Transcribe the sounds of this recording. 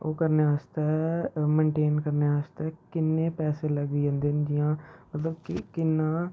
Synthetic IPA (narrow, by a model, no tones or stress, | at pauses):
oːkəɾneaːst̪aːmẽːɳʈeːnkəɾneːaːst̪aːkɪnːẽːpɛːseːləɡd̪iːãːnd̪eːnd͡ʒɪjãːmət̪ləb̚kɪkɪnːãː